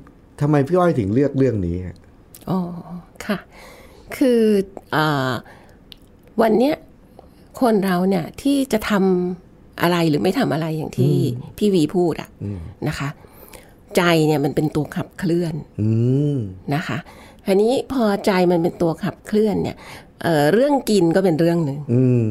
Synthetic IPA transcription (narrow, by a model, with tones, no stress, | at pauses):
t̪ʰa˧mːa˧jpʰɯː˥˩ʔa˥˩t̪ʰɯ˩˦ŋɾɯ˥˩ək̚ɾɯ˥˩əŋniː˦˥ha˨˩ʔ | ʔɔː˨˩kʰa˥˩ | kʰɯː˧ʔɤː˨˩ | wa˧nːi˦˥ɐ | kʰo˧nɾa˧wni˥˩ɐt̪ʰiː˥˩t͡ɕa˨˩t̪ʰa˧m | ʔa̰˧ɾa˧jɾɯː˩˦ma˥˩jt̪ʰa˧mʔa˧ɾa˧jːa̰˨˩ŋt̪ʰiː˥˩t̪ʰiː˥˩wiː˧pʰuː˥˩t̪̚ʔa̰˨˩ʔna˦˥kʰa˦˥ | t͡ɕa˧jni˥˩ɐma˧npe˧nt̪u˧ɐkʰa˨˩p̚kʰlɯ˥˩ən | a˦˥kʰa˦˥ | t̪ʰa˧niː˦˥pʰɔː˧t͡ɕa˧jma˧npe˧nt̪u˧ɐkʰa˨˩p̚kʰlɯ˥˩ənːḭ˥˩ɐ | ʔɤː˨˩ɾɯ˥˩əŋki˧nkɔː˥˩pe˧nɾɯ˥˩əŋnɯ˧ŋ˧